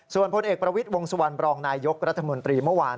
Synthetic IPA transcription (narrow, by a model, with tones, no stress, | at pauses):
su˨˩ənpʰo˧nʔeː˨˩k̚pɾa˧wi˦˥t̪̚wo˧ŋsu˧wa˧npɾɔː˧ŋnaː˧jo˦˥k̚ɾa˦˥t̪ʰːa˧mo˧nt̪ɾiː˧mɯ˥˩waː˧